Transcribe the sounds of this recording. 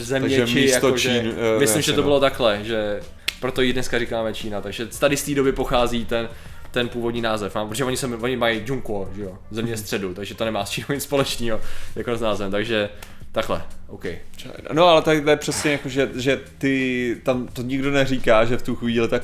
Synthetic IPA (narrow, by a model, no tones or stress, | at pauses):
zɛmɲɛɛt͡ʃmɪijakt̪ot͡ʃʒɛmɪslɪmʒɛobɪlot̪aklɛʒɛ | pɾot̪ojidnɛskaɾɪkaːmɛt͡ʃiːnat̪aɡʒɛt̪adɪst̪iːdo̞bɪpoxaːziːt̪ɛn | t̪ɛnpuːvo̞dɲiːnaːzɛfmaːmpɾotʒɛoɲɪsɛvoɲɪmajd͡ʒuŋkuoʒɛjozɛmɲɛst̪r̥ɛdut̪aɡʒɛt̪onɛmaːst͡ʃiːnoɲɪt͡sspo̞lɛt͡ʃniːɦojakoznaːzvɛmt̪aɡʒɛ | t̪aklɛ̰ʔowkɛj̰noalɛt̪aɪt̪ojɛpr̝̥ɛsɲɛjakoʒɛʒɛt̪ɪt̪amt̪oɲɪɡdonɛriːkaːʒɛft̪uxʋiːlɪt̪ak